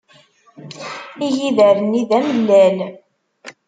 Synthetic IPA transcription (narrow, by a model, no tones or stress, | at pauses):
ijiðəɾəniðæməlːæl